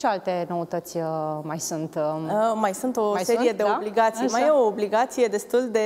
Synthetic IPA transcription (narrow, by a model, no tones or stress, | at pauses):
ʃealt̪eno̞ut̪ət̪sʲmajsunt̪majsunt̪o̞se̞ɾije̞d̪eobliɡat̪sijmajeoːbliɡat̪sije̞d̪e̞st̪uld̪e̞